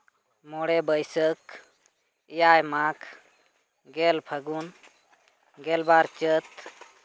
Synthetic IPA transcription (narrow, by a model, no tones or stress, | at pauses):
mɔɽɛbəjsək | ijajmakʰ | ɡɛlpʰəɡun | ɡɛlbaɾt͡ʃət̪